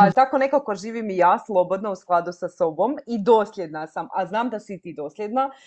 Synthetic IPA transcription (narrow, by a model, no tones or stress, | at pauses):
at̪akone̞kakoʒiːʋimijaːslˠo̞bo̞d̪nausklˠad̪usaso̞bo̞mid̪oːsʎʲed̪nasamaznaːmd̪asit̪iːd̪o̞ːslʲed̪na